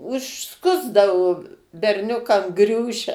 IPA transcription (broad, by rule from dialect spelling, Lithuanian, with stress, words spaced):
ʊʃˈskʊzdɐʋʊ bʲɛrʲˈnʲʊkɐm ˈɡrʲuːʃʲɛ